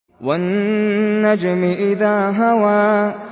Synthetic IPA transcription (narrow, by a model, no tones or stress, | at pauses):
wanː | ad͡ʒmɪʔɪðaːɦawaː